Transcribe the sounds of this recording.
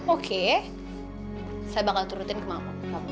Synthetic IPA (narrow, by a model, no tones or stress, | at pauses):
okʰe | sajabakalt̪uɾut̪ɪnkəma | a